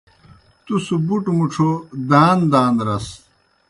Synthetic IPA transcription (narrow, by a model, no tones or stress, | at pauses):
t̪usubuʈmuʈ͡ʂʰod̪aːnd̪aːnɾɐs